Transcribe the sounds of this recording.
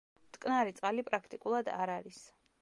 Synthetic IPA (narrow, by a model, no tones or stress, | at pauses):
t̪ʼkʼnaɾit̪sʼqʼalipʼɾakʰt̪ʼikʼulˠad̪a̰ɾaɾis